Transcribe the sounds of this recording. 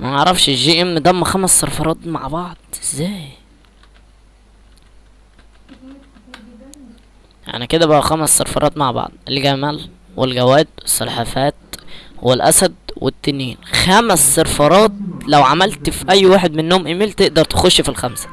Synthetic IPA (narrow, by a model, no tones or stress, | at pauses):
mæeʕɾˤɑfʃeʒiːʔemnd̪æmːæxæmæsːɑɾˤfɑɾˤɑːt̪ma̰ʕbɑʕd̪̥̚ˤezːæːj | ʔa̰ʕæ̰ʕniked̪æbæʔæxæmæsːɑɾfɑ̰ɾˤɑːt̪maʕbɑ̰ʕd̪ˤʔelɡæmæl | welɡæwæːd̪wesˤːɑlħɑfæːt̪̚welʔæ̰sæd̪wḛt̪ːenːiːnxæmæsːɑɾˤfɑɾˤɑːt̪læwʕamælt̪fiʔæjːwaːħed̪menːoːmʔemiːlt̪eʔd̪ɑɾˤt̪e̥xoʃːfilxæmsæ̥